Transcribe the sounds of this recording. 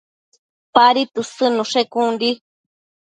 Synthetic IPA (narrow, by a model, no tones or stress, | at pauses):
paɾit̪usɨnũʂekundi